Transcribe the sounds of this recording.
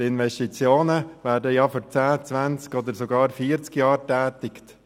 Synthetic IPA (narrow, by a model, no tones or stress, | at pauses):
tɪnʋɛstit͡sjoːnəvæːɾdəjɑːfoɾt͡sæːt͡sʋænt͡skod̪əɾsoɡɑːɾfiːəɾt͡skjɑːɾtɛːtɪkt